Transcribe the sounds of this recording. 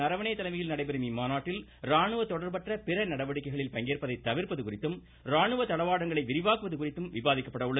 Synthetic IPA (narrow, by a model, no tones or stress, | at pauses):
ɐɾɐʋɐɳɐjɐt̪ːɐlɐɪmɐjɪlnɐɽɐɪpɛɾɯmimaːnaːʈːɪl | ɾaːɳɯʋɐt̪ɔɽɐɾpɐʈrɐpɪɾɐnɐɽɐʋɐɽɪkːɐɪɣɐɭɪlpɐŋɡeːrpɐðɐɪt̪ːɐʋɪɾpɐðɯkʊrɪt̪ːɯm | ɾaːɳɯʋɐt̪ɐlɐʋaːɽɐŋɡɐɭɐɪʋɪɾɪʋaːkɯʋɐðɯkʊrɪt̪ːɯmʋɪbaːðɪkːɐpːɐɽɐʊɭːɐ